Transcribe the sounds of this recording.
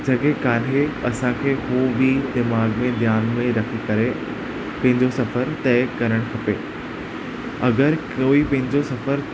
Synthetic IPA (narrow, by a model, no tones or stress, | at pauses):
d͡ʑɐɠekaːnɦeɐsãkʰeːhuːbid̪ɪmaːɡmẽd̪jaːnmẽɾɐkʰikɐɾe | pɐ̃ɦɪ̃ɲd͡ʑosɐfəɾt̪ɛːkɐɾəɽ̃kʰɐpeː | ɐɡəɾkoːipɐ̃ɦɪ̃ɲd͡ʑosɐfəɾ